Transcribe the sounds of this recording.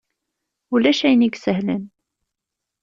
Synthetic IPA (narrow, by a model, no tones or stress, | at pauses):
ulæʃæjniɡsəhlən